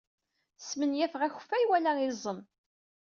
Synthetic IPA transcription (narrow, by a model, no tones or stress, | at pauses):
smənjæfʁæçfæjwælæizˤəm